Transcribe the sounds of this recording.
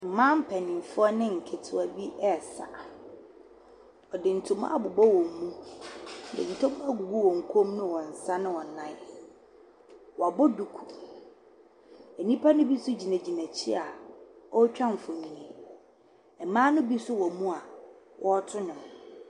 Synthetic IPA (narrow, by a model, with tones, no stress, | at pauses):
m̩˨mã˦m̩˦pʰɛ˨nɪ̃˨m˨fʊ˦ɔ˦nɪ̃˦ŋ̩˨kʰɪ˨tʰʊ˦a˨bi˦ɛ˦˨sa˨ | ɔ˨dɪ˨n̩˨tʰʊ̃˦ma̰˦a˦˨bʊ˨bɔ˦wɔ̃˨mːũ˦˨ | dɪ̰˨n̩˨tʰʊ̃˦m˦a˦˨ɡu˨ɡu˦wɔ̃˨ŋ̩˨kʰõ˦mnʊ̃˦wɔ̃˨n̩˨sa˦nʊ̃˦wɔ˨nã˦ | wɔ˨a˨bʊ˦du˨kʰu˨ | ɛ˨nĩ˦pʰa˦nʊ̃˦bi˦sʊ˦d͡ʑi˨næ̃˨d͡ʑi˨næ̃˨t͡ɕʰɪ̰˦a˨ɔ˦t͡ɕᶣã˦m˨fʊ˨mĩ˨nĩ˨ | ɛ˨mãː˦nʊ̃˦bi˦sʊ˦wɔ˨mũ˦a˨ | wʔɔ˦tʰʊ˦nʊ̃˨m